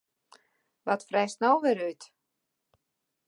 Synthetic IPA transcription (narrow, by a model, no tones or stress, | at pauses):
ʋɔtfrɛjsnɔlˠʋɪɾyt